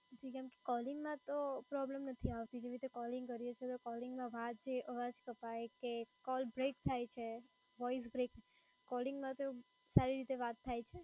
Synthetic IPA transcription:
d͡ʒikɛ̃mke̥kɔlɪŋɡmãt̪opɾɔblemnət̪ʰiaʋt̪id͡ʒeʋɾit̪ekɔlɪ̃ŋɡkəɾijet͡ʃʰet̪okɔlɪŋɡmãʋad̪̚d͡ʒeʔəʋad͡ʒkəpajekekɔlbɾekt̪ʰajt͡ʃʰe | ʋɔis̬bɾek | kɔlɪŋɡmãt̪eu | saɾiɾit̪eʋat̪ʰːajt͡ʃʰe

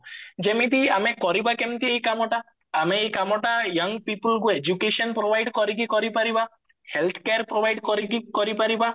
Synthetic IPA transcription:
d͡ʒemit̪iamekɔɾibakemt̪iejkamɔʈa | ameejkamɔʈajʌŋɡpipulɡued͡ʒukeʃɔnpɾobʱajɖkɔɾikikɔɾipaɾiba | helt̪ʰkeaɾpɾobʱajɖkɔɾikikɔɾipaɾiba

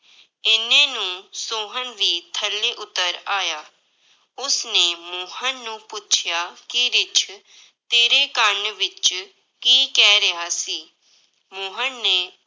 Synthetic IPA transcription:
ɪnẽːnũːsoːɦənʋiːt̪ʰəlːeːʔʊt̪ːəɾaːjaː | ʊsneːmoːɦənːũːpʊt͡ʃʰjaːkɪɾɪt͡ʃʰ | t̪eːɾeːkəɳʋɪt͡ʃ | kiːkɛːɾəɦaːsiː | moːɦənːeː

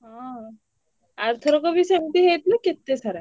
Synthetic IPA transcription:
ɦã | aɾt̪ʰəɾɔkɔbʱisemt̪iɦet̪laket̪ːesaɾa

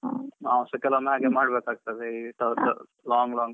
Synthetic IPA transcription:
aːsɐkɛlɐmeɦaːɡemaːɽbekaːɡ̚t̪ɐd̪eiʈɐ | laːŋɡlaːŋɡ

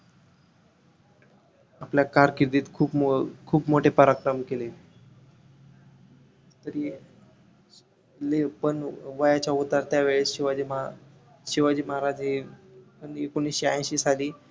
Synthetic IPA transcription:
apljakaɾkiɾd̪iːt̪kʰuːpkʰuːpmoʈʰepəɾakɾəmkele | t̪əɾi | lepəɳʋajat͡ɕjaut̪aɾt̪jaʋeɭeɕiʋad͡ʑim | ɕiʋad͡ʑiːməɦaɾad͡zepənekonisɕiãj̃ɕiːsaliː

